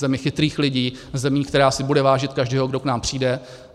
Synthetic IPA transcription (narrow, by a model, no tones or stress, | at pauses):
ɛmɪxɪt̪ɾiːxlɪɟiːzɛmiːkt̪ɛɾaːsɪbudɛvaːʒɪt̪̚kaʒdɛːɦoɡdoknaːmpr̝̥iːdɛ